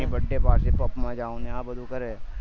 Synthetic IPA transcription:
ĩbɐɖːepaːɾsepɐpmãd͡ʒaːũneaːbɐd̪ʱukɐɾeː

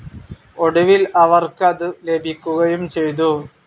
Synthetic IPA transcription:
oɽuʋilɐʋɐrkɨɐðɨle̞bʱikʲːuɣɐjumt͡ɕe̞jt̪̬u

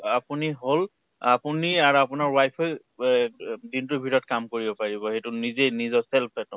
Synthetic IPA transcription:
apuniɦol | apuniaɹuapʊnaɹwajpʰoj | dintʊbʱitɔɔt̚kamkoɹibɔpaɹibɔhejtunizejnizɔsɛlpʰɛtʊ

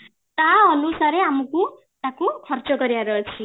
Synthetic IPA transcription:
t̪aʌnusaɾeamuku | t̪ãkokʰʌrt͡sʌɡʌɾjaɾʌt͡sʰi

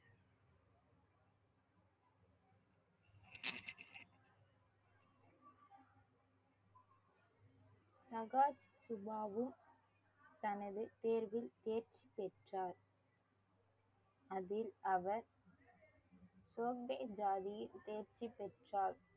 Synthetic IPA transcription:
sɐɣaːt͡ʃsʊbaːʋɯm | t̪ɐnɐðɯt̪eːɾʋɪlt̪eːɾt͡ʃipɛʈraːɾ | ɐðɪlɐʋɐɾ | soːk̚ɖɐɪd͡ʒaːðɪjɪlt̪eːɾt͡ʃipːɛʈraːl

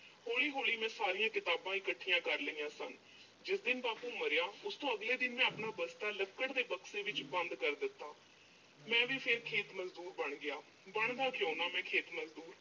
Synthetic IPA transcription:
hoːɭiːɦoːliːmɛ̃ːsaːɾijãːkɪt̪aːbãːɪkəʈʰːijãːkəɾləiːãːsən | d͡ʒɪsd̪ɪnbaːpuːməɾɪjaːʊst̪õːəɡleːd̪ɪnmɛ̃ːəpɳaːbəst̪aːləkːəɽd̪eːpəksẽːʋɪt͡ʃbənd̪kəɾd̪ɪt̪ːaː | mɛ̃ːʋiːpʰɪɾkʰeːt̪məzd̪uːɾbəɳɡɪaː | bəɳd̪aːkɪjoːnaːmɛ̃ːkʰeːt̪məzd̪uːɾ

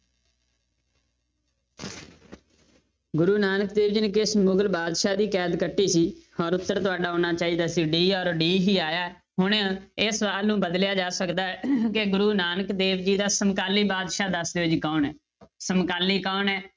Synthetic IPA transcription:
ɡʊɾuːnaːnəkd̪eːʋd͡ʒiːnkɪsmʊɡlbaːd̪ʃaːd̪iːkɛːd̪kəʈːiːsiːɔːɾʊt̪ːəɾt̪ʊaːɖaːoːnaːt͡ʃaːiːd̪aːsiːɖiːɔːɾɖiːɦiːaːjaːɛ | ɦʊɳãɪsʋaːlnũːbəd̪ljaːd͡ʒaːsəkd̪aːɛkeɡʊɾuːnaːnəkd̪eːʋd͡ʒiːd̪aːsəmkaːliːbaːd̪ʃaːd̪əsd̪eːʊd͡ʒikɔːnɛː | səmkaːliːkaːnɛː

